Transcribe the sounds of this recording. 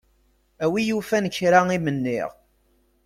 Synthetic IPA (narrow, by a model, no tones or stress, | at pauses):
æwijufænəçːɾaimənːiɪ̰ʁ